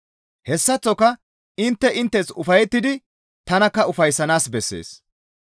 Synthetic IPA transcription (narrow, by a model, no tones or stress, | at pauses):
hɛsːɐt͡sːɔkːɐ | ɪnt̪ːɛʔɪnt̪ːɛsʊfɐjɛt̪ːɪd̪ɪ | t̪ɐnɐkːɐʊfɐjsːɐnaːsbɛsːḛːs